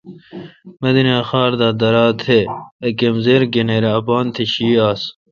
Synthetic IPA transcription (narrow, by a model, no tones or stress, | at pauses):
mɐd̪ineɐxaːɾd̪aːd̪ɐɾaːt̪ʰeɐkemzeːɾɡeneːɾeɐpaːnt̪ʰeɕiːaːs